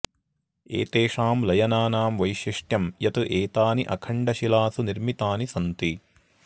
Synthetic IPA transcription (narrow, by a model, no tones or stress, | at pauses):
ḛːt̪eːʂaːmlɐjɐnaːnaːmʋɐjʃiʂʈjɐmjɐt̪ɨʔeːt̪aːniʔɐkʰɐɳɖɐʃilaːsuniɾmit̪aːnisɐnt̪i